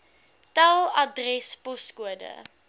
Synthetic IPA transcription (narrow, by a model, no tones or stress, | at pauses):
talˠɐdrɛspɔskuədə̰